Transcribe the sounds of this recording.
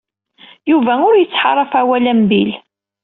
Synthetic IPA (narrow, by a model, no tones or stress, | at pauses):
juvæʊɾjət͡sːħɑ̰rˤːɑfawælæmbil